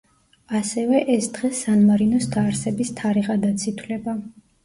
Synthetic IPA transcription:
asɛvɛʔɛsd̪ʁɛsːanmaɾinɔst̪ʰaːɾsɛbist̪ʰaɾiʁad̪at̪sʰit̪ʰwlɛba

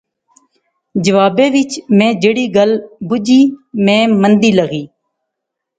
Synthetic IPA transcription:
d͡ʒəʋaːbẽːʋɪt͡ʃmẽːd͡ʒeːɽiːɡəlbʊd͡ʒiːmẽːmənd̪iːləɣiː

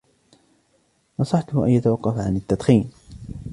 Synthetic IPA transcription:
nɑsˤɑħt̪hʊʔa̰njat̪awɑqːɑfʕanɪt̪ːad̪ˤxiːn

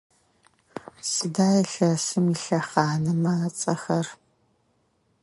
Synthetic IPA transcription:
sɨdaːjɛɬɐsɨmiɬɐχɑːnɨmɐːt͡sʼɐxɐr

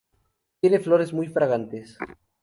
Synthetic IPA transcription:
t̪jeneflo̞ɾe̞zmujfɾaɣant̪es

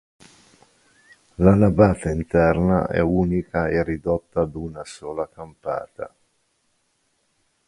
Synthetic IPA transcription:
lanabaːt̪aint̪ɛrna̰ʔɛ̰uːnikaerːid̪ɔt̪ːad̪unasoːlakampa̰ːt̪a̰

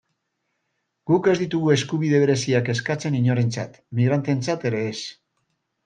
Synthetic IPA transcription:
ɡ̥uke̞zd̪it̪uɣ̞ue̞skuβ̞ið̞e̞β̞e̞ɾe̞siake̞skat͡se̞niɲo̞ɾe̞nt͡sa̰t̪miɣ̞ɾant̪e̞nt͡sat̪e̞ɾe̞ːs

